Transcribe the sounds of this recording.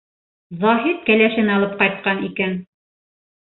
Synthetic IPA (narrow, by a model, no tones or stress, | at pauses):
zɒɦit̪̚kælæʃɘnɑlˠɤp̚qɑjt̪̚qɑnikæn